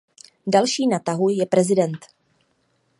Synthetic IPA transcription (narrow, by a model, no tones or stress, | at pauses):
dalʃiːnat̪aɦujɛpɾɛzɪdɛnt̪